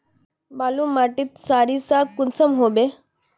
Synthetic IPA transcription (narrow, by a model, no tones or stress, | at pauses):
balumaʈiːt̪saɾisakːunsəmɦobe